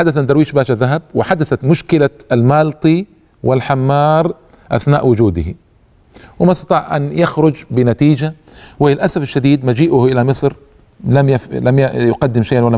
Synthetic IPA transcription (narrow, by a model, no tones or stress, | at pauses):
ħad̪aθad̪ɑɾˤwiːʃbaːʃaðːaɦab̚wɪħad̪aθat̪mʊʃkɪlaalmaːlt̪ˤi | wɪlħamːɑːɾˤ | ʔa̰θnaːʔwʊd͡ʒuːd̪ɪh | wɪmst̪ɑt̪ˤɑːʕʔa̰njaxɾʊd͡ʒbɪnat̪iːd͡ʒa | wɪlɪlʔasafɪʃːad̪iːd̪mad͡ʒiːʔʊhʔɪlamɨsˤɾ | lamjalamjjʊqad̪ːɪmʃajʔanwalːa